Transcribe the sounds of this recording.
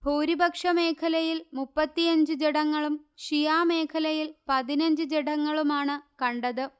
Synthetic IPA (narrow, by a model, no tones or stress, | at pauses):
bʱoːɾibɐkʂɐme̞ːkʰɐlɐjilmupːɐt̪ːijɐɲd͡ʑɨd͡ʑeɽɐŋːɐɭumʂijaːme̞ːkʰɐlɐjilpɐðinɐɲd͡ʑɨd͡ʑeɽɐŋːɐɭumaːɳɨkɐɳɖɐðɨ